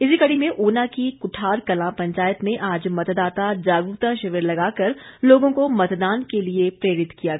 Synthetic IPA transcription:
ɪsikɐɽimẽʔoːnakikʊʈʰaːɾkɐlãpɐ̃ɲt͡ʃaːjət̪mẽʔaːd͡ʒmɐt̪d̪aːt̪ad͡ʒaːɡuːt̪ãʃɪʋɪɾlɐɡaːkɐɾloːɡõkomɐt̪d̪aːnkeliepɾeːɾɪt̪kijaɡ

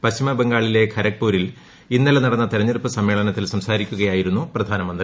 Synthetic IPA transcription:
pɐɕt͡ɕimɐbe̞ŋɡaːɭile̞kʰɐɾɐk̚puːɾil | inːɐlɐnɐɽɐnːɐt̪eɾɐɲːɐrɨpːɨsɐmːe̞ːɭɐnɐt̪ːilsɐmsaːɾikʲːuɣɐjaːjiɾunːuprɐd̪ʱaːnɐmɐnd̪ri

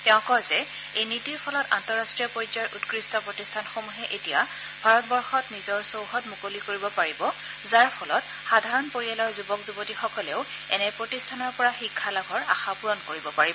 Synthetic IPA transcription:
tɛʊ̃kɔzɛ | ejnitiɹpʰɔlɔtantɔɹastɹijɔpoɹid͡ʒɔɹʔutkɹistɔpɹɔtistʰanxomuɦɛʔetija | bʱaɹɔtbɔɹxɔtnizɔɹsowɦɔtmukolikoɹibɔpaɹibɔ | zaɹpʰɔlɔt̚ | xadʱaɹɔnpoɹialɔɹzubɔkzubotixɔkɔleʊ | ɛnɛpɹotistʰanɔɹpɔɹaxikʰːalaɡʱɔɹaxapuɹɔnkoɹibɔpaɹibɔ

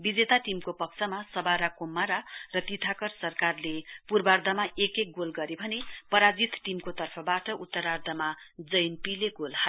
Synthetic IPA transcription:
bid͡zet̪aʈimkopʌk̚t͡sʰʌmasʌbaɾakomːaɾarʌt̪it̪ʰakʌrsʌrkarlepurbard̪ʱʌmaekek̚ɡolɡʌɾebʱʌnepʌɾad͡zit̪ʈimkot̪ʌrpʰʌbaʈʌʔut̪ːʌɾard̪ʱʌmad͡zʌjnpileɡolha

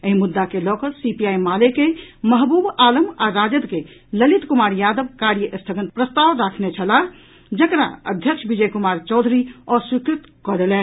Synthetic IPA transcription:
əɦimud̪ːakelɔkəsipijajmalekeməɦbubaləmaɾad͡ʒəd̪ke | ləlit̪kumaɾjad̪əbkaɾjəʔəst̪ʰəɡənt̪pɾəst̪aʋɾakʰnet͡ʃʰəla | d͡ʒəkɾa̰ə̰d̪ʱjəkʃʰbid͡ʒəjkumaɾt͡ʃɔwd̪ʱɾiɔswikɾit̪kɔd̪elɛn

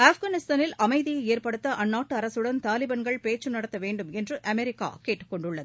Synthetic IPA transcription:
aːfɡɐːnɪst̪aːnɪlɐmɐɪðɪjɐeːrpɐɽɯt̪ːɐʔɐnːaːʈːɯɐɾɐsɯɽɐnt̪aːlɪbɐnɡɐɭpeːt͡ʃːɯnɐɽɐt̪ːɐʋeːɳɖɯmɛndrɯʔɐmɛɾɪkːa̰ːkeːʈːɯ̥kːɔɳɖɯɭːɐðɯ

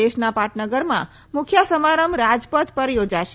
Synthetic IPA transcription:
eʃnapaʈnəɡəɾmã̰ | mʊkʰjasəmaɾəmɾad͡ʒpət̪pəɾjod͡ʒaʃe

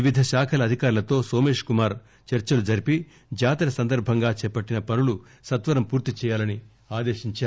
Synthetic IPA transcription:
iʋid̪ʱɐʃaːkʰɐlɐːd̪ʱikaːɾulɐt̪o̞ːso̞ːme̞ːʂkumaːɾ | t͡ʃɐɾt͡ʃɐlud͡ʒɐɾipi | d͡ʒaːt̪ɐɾɐsɐnd̪ɐɾbʱɐŋɡaːt͡ʃɛːpɐʈːinɐpɐnulu | sɐt̪ʋɐɾɐmpuːɾt̪it͡ʃɛːjaːlɐni | aːd̪eːʃiɲt͡ʃaː

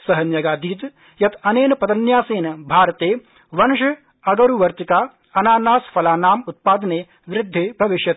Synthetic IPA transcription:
sɐɦɐnjɐɡaːd̪iːt̪ | jɐt̪ʰɐneːnɐpɐd̪ɐnjaːseːnɐbʱaːɾɐt̪eː | ʋɐnʃɐ | ɐɡɐɾuʋɐɾt̪ikaː | ɐnaːnaːsfʰɐlaːnaːmut̪̚paːd̪ɐneː | ʋɾɪd̪ʱːeːbʱɐʋɪʃjɐt̪

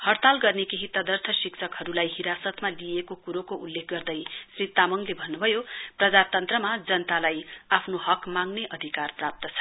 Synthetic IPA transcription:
hʌrt̪alɡʌrnekeɦit̪ʌd̪ʌrt̪ʰʌsiksʰʌkɦʌɾulajɦiɾasʌt̪malijekokuɾokoʔulːek̚ʰɡʌrd̪ʌjsrit̪amʌŋlebʱʌnːubʱʌjoprʌd͡zat̪ʌnt̪rʌmad͡zʌnt̪alajapʰnoɦʌkmaŋneʔʌd̪ʱikarprap̚t̪ʌt͡sʰʌ̥

